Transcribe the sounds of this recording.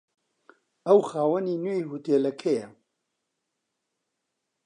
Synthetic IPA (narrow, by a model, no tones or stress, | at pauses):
ɐwxaːwɐniːnojɦuːt̪eːlɐkʰɛjɛ